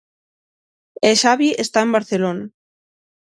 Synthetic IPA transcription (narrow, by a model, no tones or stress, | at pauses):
eʃaβiest̪aembaɾθelona